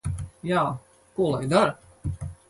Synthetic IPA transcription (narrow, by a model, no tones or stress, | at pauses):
jaː | kuɔlˠajd̪aɾ